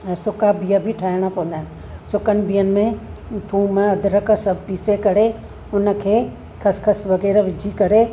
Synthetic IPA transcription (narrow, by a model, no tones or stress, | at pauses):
sʊkabijabʱɪʈʰaːɪɽ̃apɐʋə̃n̆d̪aːɦɪn | sʊkənɪ̆biːjənɪ̆mẽʈʰuːmãɐd̪ʱɪɾəkəsɐpiːsekɐɾe | ʊnə̆kʰeː | xʰɐskʰɐsʋɐɣɛːɾʋɪd͡ʑʱikɐɾe